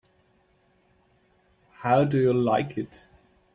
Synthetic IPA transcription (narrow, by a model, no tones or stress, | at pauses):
haʊdəjəlaɪkʰɪt